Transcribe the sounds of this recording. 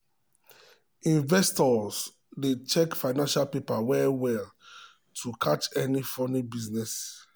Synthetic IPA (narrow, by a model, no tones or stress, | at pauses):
ĩnvɛstɔs | det͡ʃɛkfaɪnãnʃalpepawɛwɛl | tʰukʰat͡ʃɛnifɔnibiznɛs